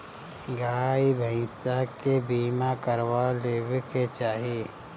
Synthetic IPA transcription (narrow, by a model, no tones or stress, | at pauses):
ɡaːibʱə̃sakebiːmakəɾwaleːbket͡ʃaːɦe